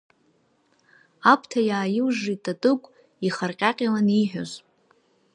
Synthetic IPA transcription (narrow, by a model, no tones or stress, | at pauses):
apʰtʰajaːjɪwʐitʼatʼɨkʷʼ | iχarqʲʼaqʲʼalaniħʷᶣo̰z